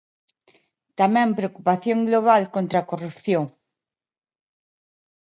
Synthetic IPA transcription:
t̪amɛ̃mpɾeokupaθjoŋɡloβ̞alkont̪ɾakorupθjoŋ

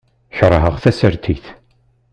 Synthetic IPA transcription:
çɾˤəɦəʁθæsəɾt̪ʰiθ

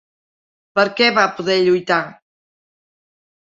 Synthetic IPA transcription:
pəɾkɛβapuðɛʎujt̪a

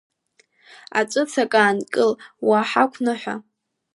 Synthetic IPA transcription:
a̰t͡ʃʷʼɨt͡sʰakʼaːnkʼɨlwaħakʷʰnɨħʷa̰

